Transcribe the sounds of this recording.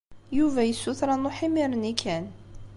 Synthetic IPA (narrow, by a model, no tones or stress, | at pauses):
juvæjəsːuθɾˤɑnʊħɪmɪɾˤənikʰːæn